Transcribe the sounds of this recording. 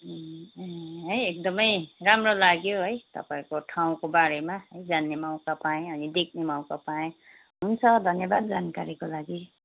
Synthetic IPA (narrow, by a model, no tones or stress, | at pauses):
ɦʌjek̚d̪ʌmʌjramrolaɡjoɦʌjt̪ʌ̰paẽkoʈʰaw̃kobaɾemaɦʌjd͡zanːemaw̃kapaẽʌnid̪ek̚ʰnemaw̃kapaẽ | ɦunt͡sʰʌd̪ʱʌnjʌbad̪̚d͡zankaɾikolaɡi